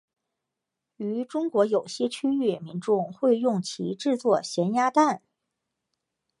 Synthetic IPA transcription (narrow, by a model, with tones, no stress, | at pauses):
y˧˥ʈ͡ʂʊ˥ŋkwɔ˧˥jo˨˩ʊɕjɛ˥˧t͡ɕʰy˥y˥˩mi˧˥nʈ͡ʂʊ˥˧ŋxwe˥˧ɪjʊ˥˩ŋt͡ɕʰḭ˧˥ʈ͡ʂɻ̩˥˧t͡swɔ˥˩ɕjɛ˧˥nja˥t̪a˥˩n